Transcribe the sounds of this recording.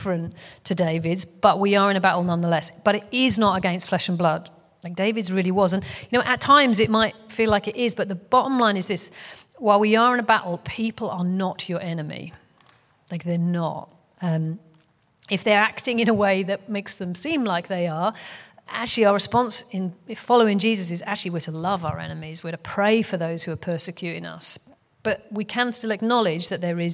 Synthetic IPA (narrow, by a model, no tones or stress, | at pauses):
fɹɨ̃nttʰɨdeɪvɪdzb̥ʌʔ̚wiə˞ɨ̃ñəbaʔl̩ˠnʌ̃nðəlɛsb̥ʌɾɨɾɪznəɾəɡɛ̃nstflɛʃə̃n̩blʌd̥ | laɪk̚d̥eɪvɨdzɹɪlˠiwɒzə̃njɨnoʊʔɨtʰãɪ̃mzɨʔ̚maɪt̚filaɪkɨɾɪzbʌt̪̚ðəb̥ɑɾə̃mlãɪ̃nɨzðɪs | waɪlˠwiə˞ɪ̃nəbaʔl̩ˠpʰipəl̩ˠənət͡ʃə˞ʔɛnɨmḭ | laɪk̚ðə˞nə̰t̚ | ʌ̃m | ɨfðə˞aktɪ̃ŋɨ̃ñəweɪðɨt̚meɪksðɨ̃msĩmlaɪk̚ðeɪə˞ʔa̰k̚t͡ʃʉl̩ˠiaʊəɹɨspɑ̃nsɪ̃nfɑlˠoʊɪ̃ŋd͡ʒizɨs̬ɨza̰k̚t͡ʃʉl̩ˠiwɪəɾʰəlʌvaʊə̰˞ɛ̰nɨmizwɪəɾəpʰɹ̥eɪfə˞ðoʊz̥hʉə˞pʰɜ˞sɨkʰj̥ʉɾɪ̰̃ŋʌ̰s | b̥ʌʔ̚wikʰə̃nstɪlˠɨknɑlˠɪd͡ʒðɨt̪̚ðə˞ɪz